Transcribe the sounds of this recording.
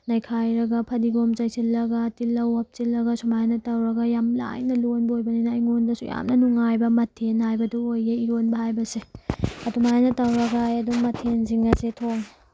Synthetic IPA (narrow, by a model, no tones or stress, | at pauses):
nɐjkʰajɾɐɡɐpʰɐdiɡomt͡ʃɐjsilːɐɡɐtilːɐwɐp̚t͡ʃilːɐɡɐsumajnɐtɐwɾɐɡɐjamla̰jnɐlonbɐojbɐninɐːjŋondɐsṵja̰mnɐnuŋajbɐmɐtʰenhajbɐduojɡeiɾonbɐhajbɐseɐtumanɐtɐwɾɐɡajɐduŋmɐtʰenziŋɐsetʰoŋ